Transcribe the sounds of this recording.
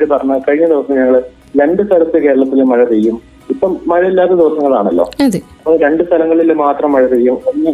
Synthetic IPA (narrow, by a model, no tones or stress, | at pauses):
ɽupɐrɐɲːɐkɐɻiɲːɐd̪iʋɐsːɐmɲɐŋːɐɭ | ɾe̞ɳɖɨst̪ʰɐlɐt̪ːeke̞ːɾɐɭɐt̪ːilmɐɻɐt͡ɕejːum | ipːɐmːɐɻɐilːaːt̪ːɐd̪iʋɐsɐŋːɐɭaːɳɐlːo̞̰ːɐpːoɾe̞ɳɖɨst̪ʰɐlɐŋːɐɭilmːaːt̪rɐmːɐɻɐt͡ɕejːumoŋːɐ